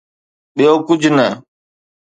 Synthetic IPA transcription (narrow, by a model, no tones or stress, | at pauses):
ɓijoːkʊd͡ʒʱnə